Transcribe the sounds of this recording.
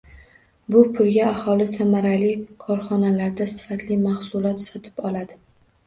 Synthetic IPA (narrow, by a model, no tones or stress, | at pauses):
bʊpʰʊlɡʲaːhɒlɪsamaɾalɪkʰɒɾχɒnalaɾd̪asɪ̥fat̪lɪmahsʊlˠɒt̪sɒt̪ʰɪ̥pɒlad̪ɪ